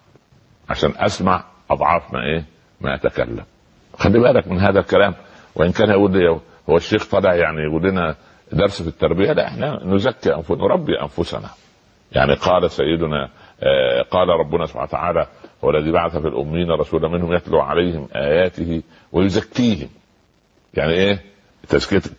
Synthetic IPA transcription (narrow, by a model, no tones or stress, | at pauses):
ʕa̰ʃæːnʔæsmaʕ | ʔɑd̪ˤʕɑːfmæ̰ʔeː | mæ̰ʔæt̪ækæ̰lːæ̰m | xælːibæːlækmɪnɦæːðælkælæːm | wʔɪʔɪnkæːnʔæɡuːlːɪjːæ | howːæʃːeːxt̪ˤɑleʕjaʕnijɡulːɪnæ | d̪ɑɾˤsfit̪ːɑɾˤbɪjælæʔeħnænʊzækːiʔænfʊnɾˤɑbːiʔæ̰nfʊsæ̰næ̰ | ja̰ʕniqɑːlæsæjːed̪ʊnæ̰ | qɑːlæɾˤɑbːʊnæsˤo̥bħa̰nt̪a̰ʕaːlæhowːælːæðiːbaʕaθæfilʔʊ̰mːijːnærˤːɑsuːlæmɪnhʊmjæt̪luʕa̰læjhɪmʔæ̰ːjæːt̪ɪhi | wejozækːiːhɪm | jaʕniʔeː | t̪æzkeæt̪